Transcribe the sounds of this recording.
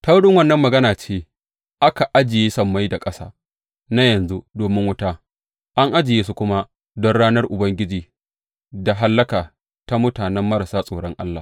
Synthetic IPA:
ta˦wʊ˦ɽɪ˦ŋwɐ˦nːɐ˦mːɐ˨ɡɐ˦naː˨t͡ʃeː˦ | ʔa˦ka˨ʔa˦d͡ʒɪ˨jeː˦sɐ˦mːa˦jda˨kʼɐ˦sa̰ː˦ | na˦jɐ˨nzu˦doː˨mɪ˦ŋwʊ˦ta˦ | ʔa˦ŋʔa˦d͡ʒɪ˨jeː˦s̬u˦kʷʊ˦ma˦ | dɔ˦nɽaː˦nɐ˦rʔʊ˨bɐ˦ŋɡʲɪ˦d͡ʒiː˨ | da˨ɦa˦lːɐ˦kaː˨ | ta˦mʊ˦taː˨nɛ˦mːɐ˦ɾa˨saː˦sʼoː˨ɽɔ˦ŋʔa˦lːaː˨

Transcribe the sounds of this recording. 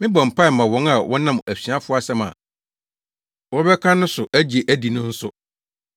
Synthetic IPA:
mɪ̃˦bɔ̃˨m̩˨pʰa˦˨mã˨wɔ̃˦na˨wʔɔ̃˦nã˦mæ˨ɕᶣi˨a˦fʊ˦a˦sɛ˦mã̰˨ | wɔ˦bɛ˦kʰã˦nʊ̃˦sʊ˨ʔæ˦d͡ʑi˨e˨ʔæ˦di˨nʊ̃˦n̩˦sʊ˦

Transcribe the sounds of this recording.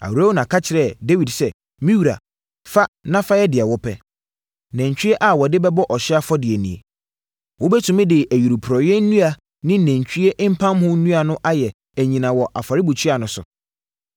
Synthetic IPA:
a̰˨wa˦wnã˨kʰa˦t͡ɕʰɪ˨ɾɛ˦˨de˦wi˨dsɛ˦ | mĩ˦wu˨ɾa̰˨ | fa˦nã˦fa˦jɛ˦dɪ˨ɛ˨wɔ˦pʰɛ˦ | nɛ̃˨ɲt͡ɕᶣi˦e˦ʔa˦wɔ˨dɪ˦bɛ˦bɔ˦ʔɔ˨ɕɪ˦a˦fɔ˦dɪ˨e˨nĩ˨ḛ˨ | wo˦bɛ˦tʰʊ̃˨mɪ̃˦dɪ˨ʔæ˨ɥu˨ɾu˨pʰɾɔ˨jɛ˦nũ˦a˨ | nɪ̃˦næ̃˨ɲ˨t͡ɕʰᶣi˦e˦ʔm̩˦pʰã˦mhʊ̃˦nũ˦a˨nʊ̃˦ʔa˦jɛ˨ | æ˨ɲĩ˨nã˨wɔ˨ʔa˨fa˨ɾɪ˦bu˨t͡ɕʰi˦a˨nʊ̃˨˦sʊ̰˨

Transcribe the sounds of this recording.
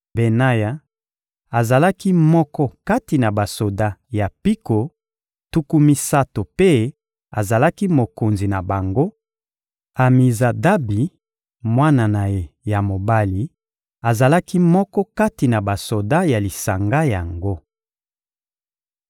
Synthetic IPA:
be˨na˦ja˨ | a˨za˨la˦ki˦mɔ˦kɔ˦ka˦ti˨na˨ba˨so˨da˦ja˨pi˦ko˨ | tu˦ku˦mi˦sa˦to˨pe˦ | a̰˨za˨la˦ki˦mo˨ko˨nzi˨na˨ba˨ŋɡo˦ | a˨mi˨za˨da˦bi˨ | mwa˦na˨na˨je˨ja˨mo˨ba˦li˨ | a˨za˨la˦ki˦mɔ˦kɔ˦ka˦ti˨na˨ba˨so˨da˦ja˨li˨sa˨ŋɡa˦ja̰˨ŋɡo˦

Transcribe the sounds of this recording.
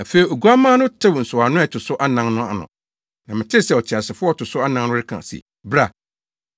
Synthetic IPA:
a˨fe˨i˨o˨ɡu˦a˦mãː˦nʊ̃˦tʰɪ˦wn̩˨sʊ˨a˨nʊ̃˦ɛ˨tʰʊ˨sʊ˦ʔa˦nã˨˦ŋnʊ̃˦a̰˨nʊ̰̃˨ | nã˨mɪ̃˨tʰɪ˦sɛ˨ɔ˨t͡ɕʰɪ˨a˨sɪ˨fʊ˦ɔ˦tʰʊ˨sʊ˦a˦nã˦ŋnʊ̃˦ɾɪ˦kʰã̰˨sḭ˨ | bɾa˨

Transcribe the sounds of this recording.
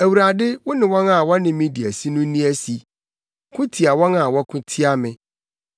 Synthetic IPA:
æ˨wu˨ɾa˨dɪ˦wʊ˦nɪ̃˨wɔ̃˦nã˨wɔ˦nɪ̃˨mĩ˦di˨æ˨si˦nʊ̃˦nĩ˦æ˦si˦ | kʰʊ̃˦tʰi˨a˨wɔ̃˦na˨wɔ˦kʰʊ̃˦tʰi˦a˦mɪ̃˦

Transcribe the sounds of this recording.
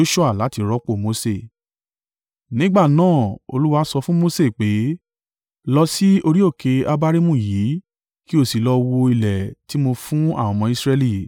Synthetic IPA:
o˦ʃu˦a˦˨la˨˦ti˧ɾɔ˦k͡po˦˨mo˧˦se˦˨ | nĩ˦ɡ͡ba˦˨nãː˦˨o̰˧lu˦wa˦sɔ˧fũ˦mo˦se˦˨k͡pe˨˦ | lɔ˧si˦o˧ɾi˦o˦˨ke˧a˦ba˦ɾi˦mũ˦˨jiː˨˦ | ki˦o˦˨si˨lɔ˧wo˧i˧lɛ˨ti˨˦mo˧fũ˦a˦˨wɔ̃˧mɔ̃˧i˧sɾɛ˧li˦˨

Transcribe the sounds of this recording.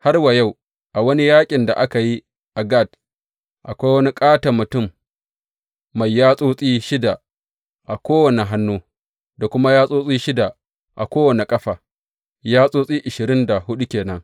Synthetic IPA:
ha˦rwa˨ja˦˨w | ʔa˨wɐ˦ni˦jaː˦kʲʼɪ˨nda˨ʔa˦ka˨ji˦ | ʔa˨ɡa˦˨d | ʔa˨kʷa˦jwɐ˦ni˦kʼaː˦ta˨mʊ˨tʊ˦˨m | a˨jːaː˦sʼoː˦sʼiː˦ʃɪ˦da˨ | ʔa˨kʷoː˦wɐ˨ne˨ɦa˦nːuː˦ | da˨kʷʊ˦ma˦jaː˦sʼoː˦sʼiː˦ʃɪ˦da˨ | ʔa̰˨kʷoː˦wɐ˨ne˨kʼɐ˦ɸaː˨ | jaː˦sʼoː˦sʼiː˦ʔɪ˨ʃɪ˨ɾɪ˦nda˨hʊ˦ɗu˦kʲeː˨nɐ˦ŋ

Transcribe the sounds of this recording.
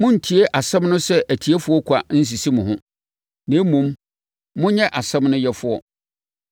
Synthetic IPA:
mʊ̃˦n̩˨tʰi˨e˦ʔa˨sɛ̃˦mnʊ̃˦sɛ˦ʔæ˨tʰi˨e˦fʊ˦ɔ˦kʷʰa˨n̩˦s̬i˨si˦mʊ̃˨ɦʊ̃˦ | nẽ˨˦mũ˨m | mʊ̃˦ɲɛ̃˦ʔa˨sɛ̃˦mnʊ̃˦jɛ˦fʊ˨ɔ̰˦

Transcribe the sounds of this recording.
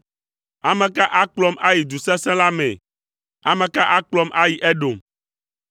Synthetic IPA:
a˨mɛ̃˨ka˦ʔa˦k͡plɔ˦mʔa˦ji˨d̪u˨sɛ̃˦sɛ̃˦la˦mɛ̰̃˨ | a˨mɛ̃˨ka˦ʔa˦k͡plɔ˦mʔa˦ji˨ʔɛ˦ɖo˨m

